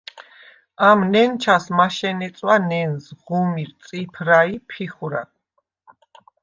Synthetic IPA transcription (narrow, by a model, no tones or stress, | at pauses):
amnɛnt͡ʃʰasmaʃɛnɛt̪sʼwanɛnzʁumiɾt̪sʼipʰɾaipʰiχuɾa̰